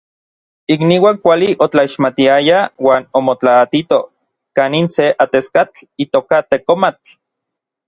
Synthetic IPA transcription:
ikniwaːŋkʷaliʔot͡ɬaiʃmat̪iajawaːnomot͡ɬaːt̪it̪o | kaːninseʔat̪eskat͡ɬit̪oːkat̪ekomat͡ɬ

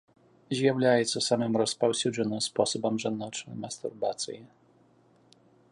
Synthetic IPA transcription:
ʑawlʲajɛt̪sɔsamɛmɾɔspawsʲuʐɘnɔspɔsɔbamʐad̪nɔt͡ʂɛmast̪ṵɾbat̪sʲji

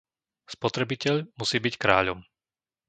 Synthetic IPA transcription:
spɔt̪ɾɛbicɛʎmusiːbickɾaːʎɔm

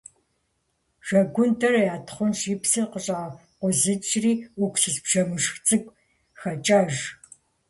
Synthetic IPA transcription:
ʒ̥ɐɡʷʊntʰɐrɐjaːtʰχʷʊnʃiːpsɨqəɕʼaː | qʷɔzɨt͡ʃriːʊkʷsɨzbʒ̥ɐmɨʂxt͡sʼɨkʷʼ | xɐt͡ʃʼaːʒ

